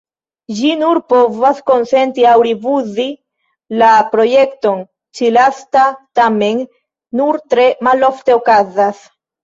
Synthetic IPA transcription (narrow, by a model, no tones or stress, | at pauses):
d͡ʒinuɾpo̞vasko̞nse̞ntiawɾivuzi | lapɾo̞je̞kto̞n | t͡ʃilastatame̞nː | uɾtɾe̞malo̞fte̞okazas